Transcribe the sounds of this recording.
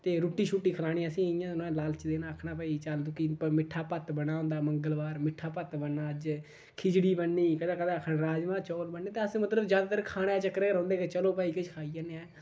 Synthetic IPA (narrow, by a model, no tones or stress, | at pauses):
t̪eːɾuːʈːiːt͡ʃʰuːʈːiːkʰəlaːɽ̃iːsĩːjãːñːlaːlt͡ʃd̪eːnãːəkʰɽaːpəːiːt͡ʃəld̪ukiːpəmɪʈʰːaːpət̪bəɽ̃aːɦʊ̃nd̪aːməŋɡəlʋaːɾmɪʈʰːaːpət̪bənːaːəd͡ʒ | kʰɪd͡ʒɽiːbənːiːkəd̪ãːkəd̪ãːəkʰːɾaːd͡ʒmãːt͡ʃɔːlbənːẽːt̪eːəsmət̪ləbd͡ʒjaːd̪aːt̪əɾkʰaːɽ̃eːt͡ʃəkɾeːɾə̃ːnd̪eːket͡ʃəloːpaːiːkɪt͡ʃkʰaːiːəneɛː